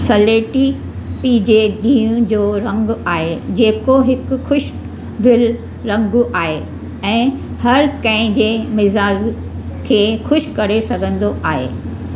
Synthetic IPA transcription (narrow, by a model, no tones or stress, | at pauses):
sɐleːʈi | t̪id͡ʑeɗĩːɦũd͡ʑoːɾɐ̃ŋɡaːɦed͡ʑeːkoɦɪkʊ̆xʊʃ | d̪ɪl | ɾɐ̃ŋɡʊʔaːɦe | ɛ̃ː | hɐɾkɐ̃ɦɪ̃d͡ʑeːmɪzaːd͡ʑ | kʰeːxʊʃkɐɾesɐɡʱə̃nd̪oʔaːɦḛː